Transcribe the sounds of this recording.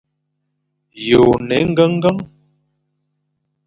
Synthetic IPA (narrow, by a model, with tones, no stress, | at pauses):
jo˨nɛ˨˦ŋ̩˦ɡə˦ŋ˦ɡə˦ŋ